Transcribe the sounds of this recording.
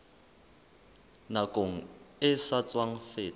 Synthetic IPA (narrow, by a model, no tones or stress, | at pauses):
nakʼoŋ̩ɪsat͡sʼwaŋ̩feː